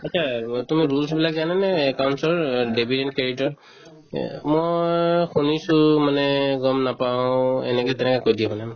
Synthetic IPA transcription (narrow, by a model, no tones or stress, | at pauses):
atsʰatumiɹulsbilaɡzananɛːkawnsɔɹdebʱidɛn̚kɹeɾitɔɹ | mojjxunisʊmanɛɡɔmnapaʊɛ̰nɛkɛtɛnɛkɔkojdiɛmanɛ